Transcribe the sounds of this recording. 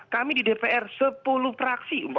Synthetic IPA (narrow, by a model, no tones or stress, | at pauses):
kamididepeʔɛrsəpulufɾaksiumb